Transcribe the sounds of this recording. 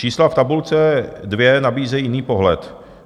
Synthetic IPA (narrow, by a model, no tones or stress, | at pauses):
iːslaft̪abult͡sɛdvjɛnabiːzɛjɪniːpo̞ɦlɛt̪